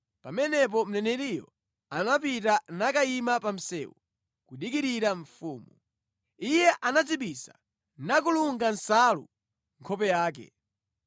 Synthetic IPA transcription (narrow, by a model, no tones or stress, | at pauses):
pamɛnɛp̬ɔm̩nɛnɛɾijɔ | anap̬itanakaimapam̩sɛ̰ːwu | kuɗikiɾiɾaɱ̩fuːmu | ijɛʔanat͡siɓisa̰ | nak̬uluŋɡansalṵ | ŋkʰɔpɛjaːkɛ̰